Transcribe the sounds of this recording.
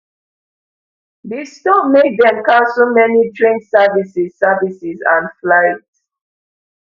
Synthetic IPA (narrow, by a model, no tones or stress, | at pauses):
distɔpmed̚dɛ̃mkasomɛnitɹẽndsɛvisissavisizã̰nflaɪt